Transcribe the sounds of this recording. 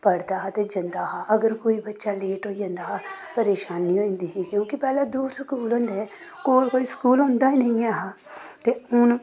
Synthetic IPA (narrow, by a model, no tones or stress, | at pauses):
pəɽd̪aːɦt̪ed͡ʒənd̪aːɦaʔəɡəɾkoːiːbətːʃaːleːʈoːd͡ʒə̃nd̪aːɦpəɾeːʃaːniːõːĩnd̪iːɦiːkjõːkɪpɛːlaːd̪uːɾskuːlɦõːnd̪ɛ | koːlkoːiskuːlõːnd̪aːinəĩaːɦaː | t̪eʊn